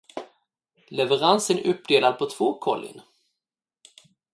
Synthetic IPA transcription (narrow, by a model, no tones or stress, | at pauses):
lɛvəɾansənɵp̚ːd̪eːlad̪̚pʰɔt̪ʰv̥oːkʰɔlːɪ̰n